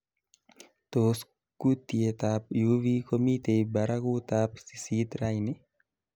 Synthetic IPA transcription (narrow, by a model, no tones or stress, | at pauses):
t̪oːs | kut̪iet̪apjuʋikomit̪ejbaɾakut̪apsi̥siːt̪ɾajni